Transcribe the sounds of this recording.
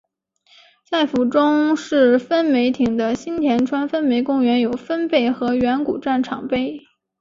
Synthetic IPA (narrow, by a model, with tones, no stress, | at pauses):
sa˥˩ɪfu˨˩ʈ͡ʂʊ˥ŋʂɻ̩˥˩fə˥nme˧˥ɪt̪ʰi˨˩ŋd̪ə˦ɕi˥nt̪ʰjɛ˧˥nʈ͡ʂʰwa˥nfə˥nme˧˥ɪkʊ˥˧ŋɥɛ˧˥njo˨˩ʊfə˥npe˥˩ɪxɤ˧˥ɥɛ˧˥nku˨˩ʈ͡ʂa˥˩nʈ͡ʂʰɑ̰˨˩ŋpe˥ɪ